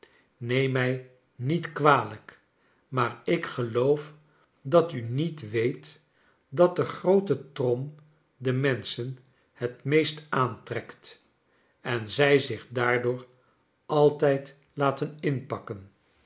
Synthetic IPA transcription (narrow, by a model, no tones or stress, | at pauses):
nejmɛj | nitkʋaːlək | maːɹɪkχəlowf | dɑtynitʋejt | dɑt̚dəχrowtətrɔm | dəmɛnsən | hətmejstaːntrɛkt | ɛnzɛjzɪχdaːɹdʊːɹ | ʔɑlˠtɛjt | laːtənɪnpɑkən